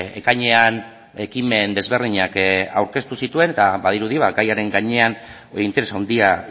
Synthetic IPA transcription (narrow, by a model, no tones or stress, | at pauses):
e̞kaɲe̞an | e̞kime̞nd̪e̞zβe̞rðiɲaka̰wɾke̞st̪usit̪ue̞ne̞t̪aβaðiɾuðiβaɡajaɾe̞ŋɡaɲe̞an | oint̪eesawnd̪ia